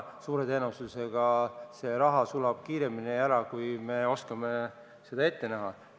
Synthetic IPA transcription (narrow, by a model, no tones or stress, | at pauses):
suːɾe̞t̪e̞ːnust̪use̞ɡ̥ɑse̞ɾɑɦɑsulɑb̥̚kiːɾe̞miniæɾɑkujme̞o̞skɑme | se̞d̪̥ɑe̞t̪ːe̞næɦɑ